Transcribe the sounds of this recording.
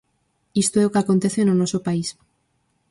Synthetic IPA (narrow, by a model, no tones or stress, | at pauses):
ist̪oeokeakont̪eθenonosopais